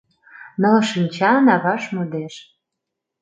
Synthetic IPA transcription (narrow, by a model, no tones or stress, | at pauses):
nɤ̆lʃinʲt͡ɕɑnɑβɑʃmud̪eʃ